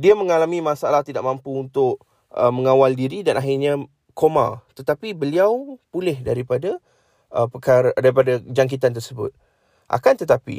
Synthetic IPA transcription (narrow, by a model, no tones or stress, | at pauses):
diamə̃ŋalamĩmasalaht̪idaʔmãmpuːnt̪ʊk̚ | ʔə̰məŋawaldiɾidanaɦɪrɲa | koma̰t̪ət̪apibəliawpulɛhdaɾipada | ʔəpəkaɾadaɾipadad͡ʒaŋk̬it̪ant̪ərsəbʊ̰t̪̚ | ʔa̰kant̪ət̪apḭ